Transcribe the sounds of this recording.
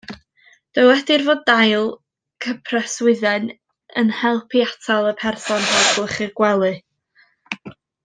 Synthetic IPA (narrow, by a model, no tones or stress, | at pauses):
d̥əwɛdɪrvoːdajlˠ | kʰəpʰrɛswɪðɛn | ənhɛlˠpʰiatʰalˠəpʰɛrsɔnrɛb̥lˠəχɨrɡ̥wɛlˠɨ